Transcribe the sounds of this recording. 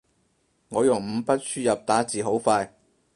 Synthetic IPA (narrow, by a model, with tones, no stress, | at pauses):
ŋɔː˨˧jʊ˨˩ŋm̩˨˧˥pɐ˥t̚syː˥jɐ˨p̚t̪aː˨˥t͡siː˨ɦo˨˥wfaː˧j